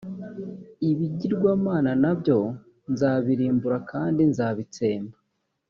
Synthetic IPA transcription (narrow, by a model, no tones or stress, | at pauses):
iβiɟiɾɡwaːmaːnanabjo̞ | nzaːβiɾiːmbuɾakaːndinzaːβit͡se̞ːmba